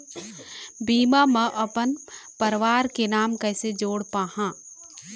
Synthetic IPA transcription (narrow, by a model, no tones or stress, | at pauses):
biːmaːmɐ̃ʔɐpənpəɾʋaːɾkenaːmkɛːsed͡ʒoːɽpaːhãː